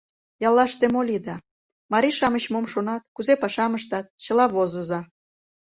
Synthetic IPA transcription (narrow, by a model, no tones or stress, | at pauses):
jɑlːɑʃt̪emolʲid̪ɑ | mɑɾʲiʃɑməɕmomʃonɑt̪̚kuzepɑʃɑməʃt̪ɑt̪̚t͡ɕə̆lɑβozə̆zɑ